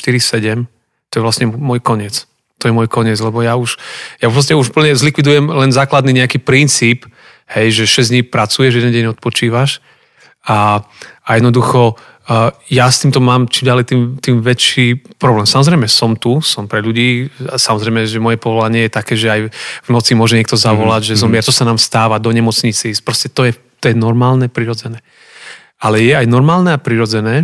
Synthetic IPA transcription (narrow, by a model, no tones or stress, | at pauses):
ʃt̪iɾisɛɟɛm | t̪ɔjɛʋlasɲɛmɔjkɔɲɪɛt͡s | t̪ɔjɛmʊɔjkɔɲɪɛd͡zlɛbɔjauʃjauɾɔs̬ɲɛuʒupl̩ɲɛzlikʋid̪ujɛmlɛnzaːklad̪niɲɛakiːpɾint͡siːp | hɛjʒɛʃɛzd̪ɲiːpɾat͡sujɛʒjɛd̪ɛndɟɛɲɔt̪̚pɔt͡ʃiːʋaʃ | aʔajɛd̪nɔd̪uxɔ | jast̪iːmt̪ɔmaːmt͡ʃimɟalɛjt̪iːmt̪iːmʋɛt͡ʃiːpɾɔblɛːmsamɔzɾɛɪjmɛsɔmt̪usɔmpɾɛʎuɟiːasamɔzɾɛjmɛʒɛmɔjɛpɔʋɔlaɲɪɛjɛt̪akɛːʒɛajvnɔt͡simʊɔʒɛɲɪɛkt̪ɔzaʋɔlaɟʒɛzɔmɪɛɾt̪ɔsanaːmst̪aːʋad̪ɔɲɛmɔt͡sɲit͡sipɾɔscɛt̪ɔjɛ | t̪ɔjɛnɔɾmaːlnɛpɾiɾɔd͡zɛnɛː | alɛjɛajnɔɾmaːlnɛapɾiɾɔd͡zɛnɛː